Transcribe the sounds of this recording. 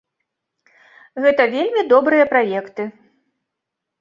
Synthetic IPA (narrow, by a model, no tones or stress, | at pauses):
ɣɛt̪ɐvʲelʲmʲid̪ɔbɾɨjɐpɾajɛkt̪ɨ